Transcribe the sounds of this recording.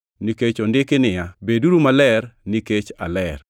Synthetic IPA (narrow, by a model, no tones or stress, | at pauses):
niket͡ʃondɪkɪnɪjabeduɾumalɛrniket͡ʃa̰lɛr